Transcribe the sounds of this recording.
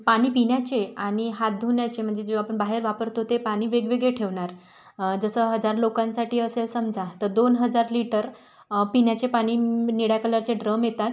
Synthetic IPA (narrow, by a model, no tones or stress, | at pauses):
paɽ̃iːpiɳjat͡ɕeaɽ̃iɦat̪̚d̪ʱuɳjat͡ɕem̤əɳd͡zed͡ʑoapəɳbaɦeɾʋapəɾt̪ot̪epaɽ̃iːʋeɡʋeɡɭeʈʰeʋɳaɾ | d͡zəsəːɦəd͡zaɾlokãnsaʈʰiːəselsəmd͡zʱat̪əɾd̪onɦəd͡zaɾliʈəɾ | piɳjat͡ɕepaɽ̃iːniɽjakələɾt͡seɖɾəmjet̪at̪